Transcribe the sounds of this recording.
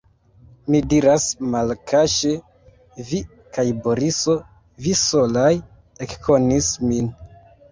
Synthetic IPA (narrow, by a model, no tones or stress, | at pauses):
midiɾasmalkʰaʃe | vi | kʰajbo̞ɾiso̞ | viso̞laj | ekkʰo̞nismin